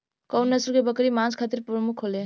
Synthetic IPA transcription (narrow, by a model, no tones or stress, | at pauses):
kɔwnːəsuɾkebəkɾimãnd͡ʒkʰat̪iɾpɾəmukʰɦole